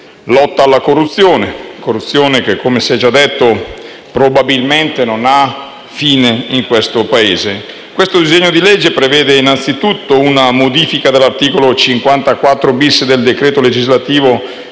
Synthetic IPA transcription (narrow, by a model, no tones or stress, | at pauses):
lɔt̪ːaːlːakorːut̪sːjoːnekorːut̪sːjoːnekekʰːomesɛjd͡ʒad̪ːet̪ːo | pɾobabilment̪enona | fiːneiŋkwest̪opaeːze | kwest̪od̪izeɲːod̪ilɛd͡ʒːepɾevɛːd̪einant̪sit̪ut̪ːounamod̪iːfikad̪elːart̪iːkolot͡ʃiŋkwant̪akwat̪ːɾobisːed̪eld̪ekɾeːt̪oled͡ʒizlat̪iːvo